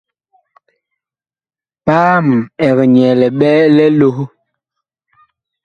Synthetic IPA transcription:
paː˦m˨ɛ˨ɣɛ˨ɲɛ˨lɛ˨ɓɛ˦lɛ˦lo˦h

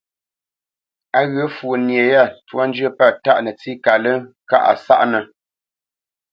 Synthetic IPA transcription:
a˨ɣə˨˦fu˨nje˨ja˦˨twɔ˦n˦d͡ʒə˦pa˦˨ta˦˨ʔnə˨t͡si˦ka˨lə˦ka̰˦˨ʔa̰˨sa̰˦ʔnə˨

